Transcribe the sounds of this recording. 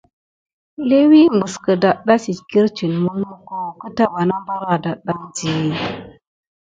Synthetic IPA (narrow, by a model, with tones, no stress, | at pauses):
le˦wi˦m˨bu˨skə˨da˨ɗa˦si˨tki˦ɾt͡ʃi˨nmu˦lmu˦ko˦˨kə˦ta˦wa˨na˦mba˦ɾa˨da˨ɗa˦nd͡ʒi˨ji˦